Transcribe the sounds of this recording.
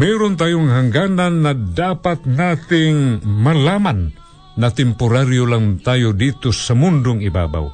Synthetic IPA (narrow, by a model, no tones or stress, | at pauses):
mɛɾʊnt̪aːjʊŋɦaŋɡaːnanːad̪apat̪̚nat̪ɪŋmalamanː | at̪ɛmpʊɾaɾjolaŋt̪aːjod̪it̪osamʊnd̪ʊŋɪba̰ːba̰w